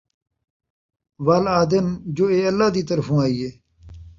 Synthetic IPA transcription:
ʋaːlaːd̪emd͡ʑoːeːɐlːaːd̪iːt̪əɾfũːaːiːɦeː

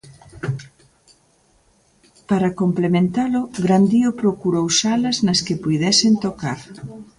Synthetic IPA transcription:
paɾɐkomplemẽnt̪alʊɣɾand̪iʊpɾokuɾowsalɐznɐskɪpujðɛsent̪okaɾ

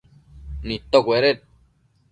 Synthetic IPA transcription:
nĩt̪ːokʷeɾet̪̚

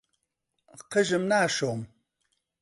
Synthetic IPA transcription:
qʰəʒɨmnaːʃoːm

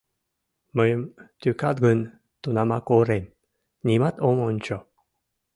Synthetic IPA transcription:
məjmt̪ukat̪̚ɡən | t̪unamakoɾem | nimat̪omont͡ʃo

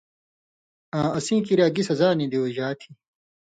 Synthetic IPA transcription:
ãːɐsĩːkiɾaːɡisɐzaːnĩd̪iwoʑaːt̪ʰi

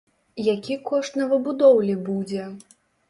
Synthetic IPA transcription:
jakʲikɔʂt̪nɐvɨbud̪ɔwlʲibud͡zʲɛ

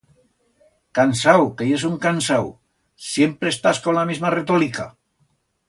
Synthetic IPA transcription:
kansawkeesuŋkansaw | sjempɾeːst̪askonlamizmaret̪olika̰

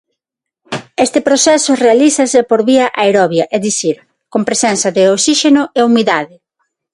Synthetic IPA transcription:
est̪ɪpɾosɛsʊrealiθɐsepoɾβiɐʔaeɾɔβjɐʔeðiθiɾ | kompɾesɛnθɐðɪoksiʃenʊeumiðaðɪ

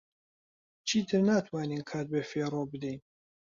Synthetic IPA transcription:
t͡ʃʰiːt̪ʰɨɾnaːt̪ʰwaːniːnkʰaːt̪̚beːfeːrobɨd̪ɛjn

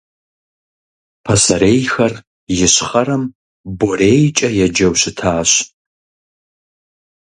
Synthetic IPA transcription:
pʰɐsɐɾeːjxɐr | jɪɕχɐɾɐm | boreːjt͡ʃʼɐjɛd͡ʒɐwɕɪtʰaːɕ

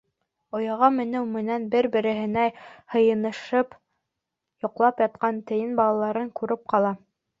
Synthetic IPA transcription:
ŏjɑʁɑmɘ̆nɘwmɘ̆nænbɘɾbɘ̆ɾɘ̆ɦɘ̆næhɤ̆jɤ̆nɤ̆ʃɤp | jŏqlˠɑpjɑt̪̚qɑnt̪ɘ̆jɘnbɑlˠɑlˠɑɾɤŋkʉɾɘp̚qɑlˠɑ

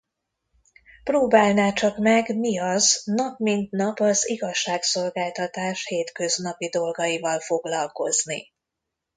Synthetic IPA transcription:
proːbaːlnaːt͡ʃɒkmɛɡmiɒznɒpmint̪nɒpɒziɡɒʃːaːkso̞lɡaːlt̪ɒt̪aːʃheːt̪kø̞znɒpid̪o̞lɡɒjivɒlfo̞ɡlɒlko̞znḭ

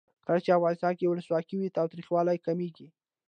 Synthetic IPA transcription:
kəlat͡ʃeafɣɑnɪst̪ɑnkewʊləswɑkiwit̪ɑwt̪ɾixwɑlajkameɡi

